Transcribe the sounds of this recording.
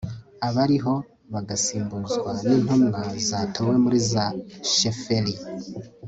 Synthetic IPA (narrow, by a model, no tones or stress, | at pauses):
aβaɾiɦo̞ | βaɡasiːmbuzɡwaniːn̥humnazatʰowe̞muɾizaʃefeli